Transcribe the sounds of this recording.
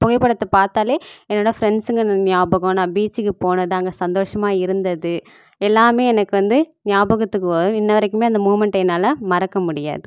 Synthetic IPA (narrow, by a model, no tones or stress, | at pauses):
pɔɣɐɪpːɐɽɐt̪ːɯpaːɾt̪aːleːɛnːoːɽɐfɾɛɳsɯŋɡɐnnɪjaːbɐɣõnãːbiːt͡ʃːɯkːɯpoːnɐðaːŋɡɐsɐnd̪oːʂɐmaːɪɾɯnd̪ɐðɯ | ɛlːaːmeːɛnɐkːɯʋɐnd̪ɯnɪjaːbɐɣɐt̪ːɯkːɯpoːðõɪnːɐʋɐɾɛkːɯmeːɐnd̪ɐmuːʋmɛɳʈɐɪnaːlɐmɐɾɐkːɐmʊɽɪja̰ːðɯ